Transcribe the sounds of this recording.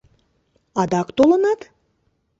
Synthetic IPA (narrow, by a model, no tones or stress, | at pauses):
ɑd̪ɑkt̪olə̆nɑt̪